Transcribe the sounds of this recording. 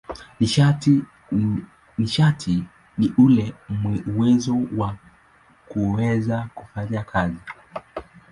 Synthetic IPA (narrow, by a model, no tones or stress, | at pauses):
niʃatʰi | niʔulɛmwɛuwɛzɔwa | kuwɛzakufaɲakʰazi